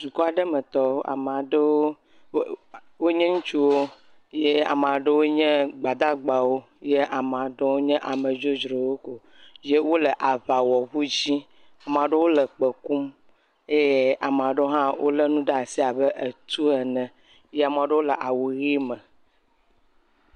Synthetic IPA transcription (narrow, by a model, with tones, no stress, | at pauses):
d͡ʒu˨kɔ˦a˨ɖə˦mɛ̃˨t̪ɔ˦o˦ʔa̰˨m˨ã˨ɖe˦wo˦ | wo˦ɲɛ̃˦ŋũ˦t͡ʃu˦wo˦ | je˦a̰˨m˨ã˨ɖe˦wo˦ɲɛ̃˦ɡ͡ba˨d̪a˦ɡ͡ba˨wo˦ | je˦ʔa˨m˨ã˨ɖe˦wo˦ɲɛ̃˦ʔa˨mə̃˨d͡ʒo˦d͡ʒɾo˨wo˦ko˨ | je˦wo˦lə˨ʔa˨va˨wɔ˨βu˦d͡ʑi˦ | a˨m˨ã˨ɖə˦wo˦lə˨k͡pə˨ku˦m | e˦je˦a˨m˨a˨ɖe˦o˦ɦã˦wʔo̰˦le˦nũ˦ɖa˨si˦a˨bə˦ʔe˨t̪u˦ɛ˨nɛ̃˨ | je˦a˨m̃˨ã˨ɖe˦wo˦lə˨ʔa˨wu˨ɣi˦mɛ̃˨